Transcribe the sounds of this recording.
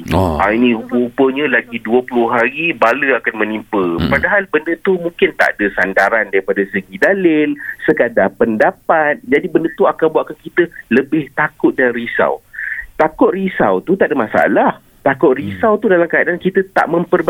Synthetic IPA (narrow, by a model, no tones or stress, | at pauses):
a̰inĩupəupəɲə̃laɡiduəpulʊɦaɾibaləakanmə̃nimpəpadaɦalbəndət̪umũŋkɪnt̪a̰ʔdəsandaɾandaɾipadasəɡidalɪlsəkadapəndapat̪̚d͡ʒadibəndət̪uakanbuaʔ̪̚kankit̪ələbɪht̪akʊt̪̚danrisa̰wt̪akʊt̪̚risa̰wt̪ut̪aʔdəmasa̰lah | t̪akʊʔ̪̚risawt̪udalamkajaʔankit̪ət̪a̰ʔmə̃mpərba